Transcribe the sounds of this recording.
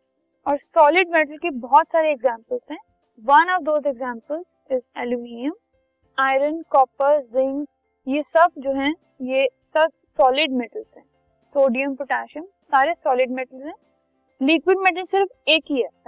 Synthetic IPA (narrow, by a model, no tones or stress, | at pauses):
ɔːɾsɔːlɪɖmeʈəlkebɔɦɔt̪saːɾeːɡzãːmpəlzɦɛ̃ | ʋɐnɔʋd̪oːzeɡzãːmpəlzɪzɛluminiə̃m | aːɪɾənkɔːpəɾzɪ̃ŋɡ | jesɐb̚d͡ʒoːɦɛ̃ | jesɐb̚ | sɔːlɪɖmɛʈəlz̥ɦɛ̃ː | soːɖijəmpʊʈaːʃəm | saːɾesɔːlɪɖmɛʈəlzɦɛ̃ː | likwɪɖmɛʈəlsɪɾfeːkɦiɛ